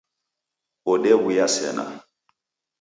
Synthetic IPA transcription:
ɔɗɛwujasɛ̰na̰

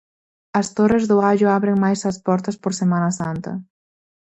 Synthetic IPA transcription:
ɐst̪orezðʊaʒʊaβɾeŋmajsɐspɔɾt̪ɐspoɾsemanɐsant̪ɐ̰

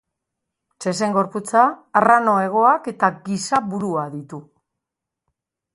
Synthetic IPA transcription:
t͡ʃe̞s̬eŋɡo̞ɾput͡saːrano̞e̞ɣ̞o̞ake̞t̪aɡisaβuɾuaðit̪u

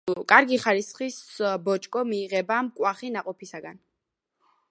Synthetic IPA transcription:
kʼaɾɡiχaɾisχisbɔt͡ʃʼkʼɔmiːʁɛbamkʼwaχinaqʼɔpʰisaɡan

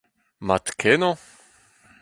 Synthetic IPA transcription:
mat̪kʰenɔ̃

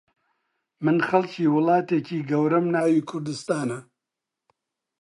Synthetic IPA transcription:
mɨnxɐlciːwʊlɑːt̪eːciːɡɐwɾɐmnaːwiːkʰʊɾd̪ɨst̪aːnɐ

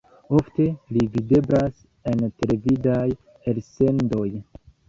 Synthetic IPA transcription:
o̞fte̞livide̞bɾas | e̞nte̞levidaj | else̞ndo̞j

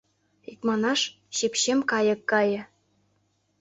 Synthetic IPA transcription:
ikmɑnɑʃ | ɕepɕemkɑjɤ̆kːɑjɤ̆

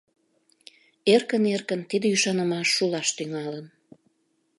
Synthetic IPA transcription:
erkənerkənt̪id̪əyʃɑnəmɑʃːulɑʃt̪yŋɑlən

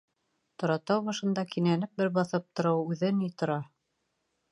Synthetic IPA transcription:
t̪ŏɾɑt̪ɑwβɑʃɤ̆nd̪ɑkinænɘp̚bɘɾbɑθɤp̚t̪ŏɾɤwʉðɘnit̪ŏɾɑ

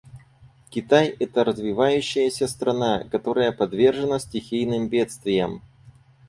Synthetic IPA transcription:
kʲɪt̪ajɛt̪əɾəzvʲɪvajʉɕːɪjəsʲəst̪ɾɐnakɐt̪o̞ɾəjəpɐd̪vʲe̞rʐɨnəsʲtʲɪxʲijnɨmbʲe̞t̪st̪vʲɪjəm

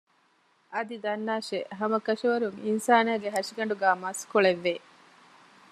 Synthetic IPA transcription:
ʔɐd̪id̪ɐnːaːʃeʔɦɐmɐkɐʂɐʋɐɾuŋinsaːnæːɡeɦɐʂiɡɐɳɖuɡæːmɐskoɭeʋːe

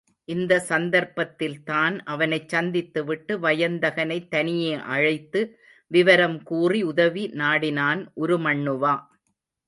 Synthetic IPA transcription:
ʔɪnd̪ɐsɐnd̪ɐɾpɐt̪ːɪlt̪aːnʔɐʋɐnɐɪt͡ʃːɐnd̪ɪt̪ːɯʋɪʈːɯʋɐjɐnd̪ɐɣɐnɐɪt̪ːɐnɪjeːʔɐɻɐɪt̪ːɯ | ʋɪʋɐɾɐmkuːriʊðɐʋinaːɽɪnaːnʔɔɾɯmɐɳːɯʋaː

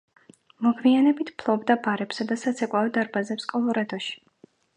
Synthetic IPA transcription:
mɔɡvianɛbit̪ʰpʰlˠɔbd̪abaɾɛpsad̪asat̪sʰɛkʼwaɔd̪aɾbazɛpskʼɔlˠɔɾad̪ɔʃi̥

